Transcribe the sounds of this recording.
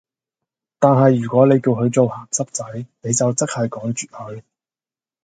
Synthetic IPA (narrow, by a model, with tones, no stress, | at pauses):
t̪aː˨nɦɐ˨jːyː˨˩kʷɔː˨˥ne˨˧jki˧wɦɵ˨˧ɥt͡so˨whaː˨˩ŋsɐ˥p̚t͡sɐ˨˥jne˨˧jt͡sɐ˨wt͡sɐ˥k̚hɐ˨jkɔː˨˥ŋt͡ʃyː˨t̚hɵ˨˧ɥ